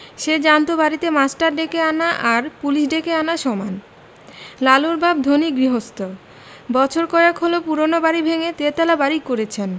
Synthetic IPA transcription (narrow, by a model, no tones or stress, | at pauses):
ʃed͡ʑant̪obaɾit̪emasʈaɾɖekeanaʔaɾpuliʃɖekeanaʃɔman | laluɾbab̚d̪ʱoniɡɾiɦost̪o | bɔt͡ɕʰoɾkɔakɦolopuɾonobaɾibʱeŋet̪et̪ɛlabaɾikoɾet͡ɕʰen